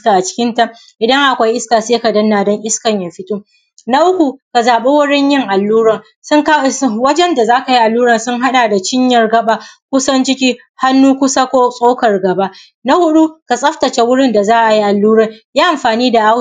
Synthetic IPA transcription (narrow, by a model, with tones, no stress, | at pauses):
kaː˨ʔa˨t͡ʃɪ̥˦kʲɪ˦nta˦ | ʔɪ˨dɐ˦ŋʔa˨kʷa˦jʔɪ˦skaː˨seː˦ka˨dɐ˦nːaː˨dɔ˦ŋʔɪ˦skɐ˨ɲjaː˨ɸɪ˦tuː˦ | na˦ʔʊ˦kʷu˨ka˨zaː˨ɓe˦wʊ˦ɽɪ˦ɲjɪ˦ŋʔa˨lːuː˦ɾɐ˨n | sʊ˦ŋka˦˨˦wɐ˦d͡ʒɛ˦nda˨zaː˦ka˨ji˦ʔa˨lːuː˦ɾɐ˨nsʊ˦ŋɦa˦ɗaː˨da˨t͡ʃɪ˦ɲjɐ˨rɡɐ˦ɓa˨kʷʊ˦sɐ˦nt͡ʃɪ˦kʲiː˦ | ha˦nːuː˦kʷʊ˦sa˦kʷoː˦sʼoː˦kɐ˨rɡɐ˨ba˦ʔ | na˦hʊ˦ɗu˦ka˨sʼɐ˦ftɐ˨t͡ʃe˦wʊ˦ɽɪ˦nda˨zaː˦ʔa˨ji˦ʔa˨lːuː˦ɾɐ˨njaː˦ʔa˨mɸaː˨niː˦da˨ʔa˦